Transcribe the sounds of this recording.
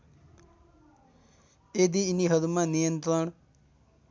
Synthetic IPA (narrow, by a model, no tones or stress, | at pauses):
ed̪iːniɦəd̪mãnijənt̪ɾəɳ